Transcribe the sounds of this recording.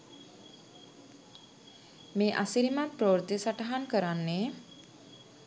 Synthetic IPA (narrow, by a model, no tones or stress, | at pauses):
meːʔasiɾimapɾowɾd̪esaʈaɦankəɾanːe